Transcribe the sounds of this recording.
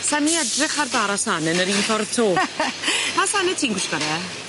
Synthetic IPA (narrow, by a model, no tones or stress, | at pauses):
saniɛdrɪχarbaɾasanɛnəɾiːnfɔrðtʰoː | masanɛtʰiːnɡwɪʃkɔɾɛ